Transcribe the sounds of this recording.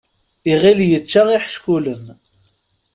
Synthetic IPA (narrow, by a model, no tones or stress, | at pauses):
iʁiljət͡ʃːaʁiħə̥ʃkuləm